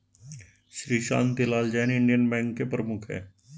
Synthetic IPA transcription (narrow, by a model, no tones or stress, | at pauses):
ʃɾiːʃa̰ːnt̪ɪlaːld͡ʒɛːnɪɳɖijənbɛ̃ːŋɡkepɾəmʊkʰɦɛ̰ː